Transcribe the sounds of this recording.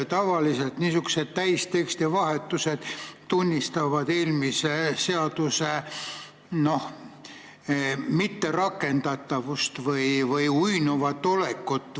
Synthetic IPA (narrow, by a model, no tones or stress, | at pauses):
t̪ɑvɑlise̞lt̪niːsuku̥se̞d̪̥̚t̪æjst̪e̞kst̪ivɑhe̞t̪ːˑuse̞d̪̥t̪unʲːist̪ɑvɑd̪eːlmisese̞ɑd̪̥use | no̞h | mit̪ːe̞rɑkːe̞nd̪ɑt̪ːɑvust̪vɯjvɯjujnuvɑt̪ːole̞kːut̪ːˑ